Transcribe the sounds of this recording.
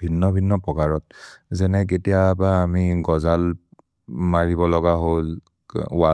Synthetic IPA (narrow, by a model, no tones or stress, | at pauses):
bʱinːɔbʱinːɔpɔkaɹɔt̚zɛnɛk̬etijabaːmiɡɔzal | maɹibɔlɔɡaɦol | wa